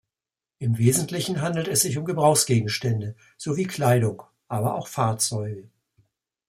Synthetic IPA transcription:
ʔɪmveːzn̩tlɪçn̩ɦandl̩tɛsz̥ɪçʊmɡəbʁaʊxsɡ̥eːɡŋ̩ʃtɛndə | z̥oviːkʰl̥aɪɾʊŋ | ʔaːbɐʔaʊxfaɐt͡sɔʏɡə

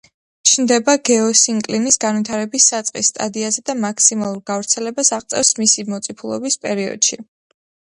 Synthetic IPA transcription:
t͡ʃʰnd̪ɛbaɡɛɔsiŋkʼlinisɡanwit̪ʰaɾɛbisːat̪sʼqʼisːt̪ʼa̰d̪iazɛd̪amakʰsimalˠuɾɡavɾt̪sʰɛlɛbasaʁt̪sʼɛ̰fsmisimɔt̪sʼipʰulˠɔ̰bispʼɛɾiɔ̰d̪̥ʃi

